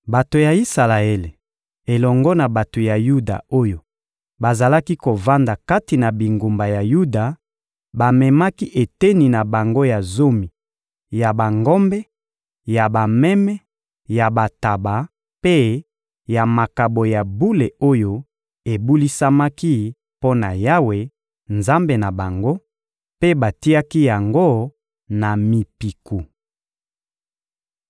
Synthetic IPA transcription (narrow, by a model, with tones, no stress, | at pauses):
ba˨to˨ja˨i˦sa˨la˨e˦le˨ | e˨lɔ˨ŋɡɔ˦na˨ba˨to˨ja˨ju˦da̰˨o˦jo˨ | ba˨za˨la˦ki˦ko˨va˦nda˨ka˦ti˨na˨bi˨ŋɡu˨mba˨ja˨ju˦da˨ | ba˨mɛ˨ma˦ki˦ʔe˨te˦ni˨na˨ba˨ŋɡo˦ja˨zo˦mi˨ | ja˨ba˨ŋɡɔ˦mbɛ˦ | ja˨ba˨mɛ˦mɛ˦ | ja˨ba˨ta˨ba˨ | pe˦ | ja˨ma˨ka˨bo˨ja˨bu˦le˨o˦jo˦ | e˨bu˦li˦sa˦ma˦ki˦ | po˦na˨ja˦we˨ | nza˦mbe˨na˨ba˨ŋɡo˦ | pe˦ba˨ti˦a˦ki˦ja˨ŋɡo˦ | na˨mi˨pi˨ku˨